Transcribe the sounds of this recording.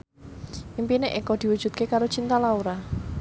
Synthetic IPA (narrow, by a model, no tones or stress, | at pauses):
ʔimpineʔekɔd̪̥i̤wu̥ʒ̥ṳt̪̚kekaɾot͡ʃint̪alauɾa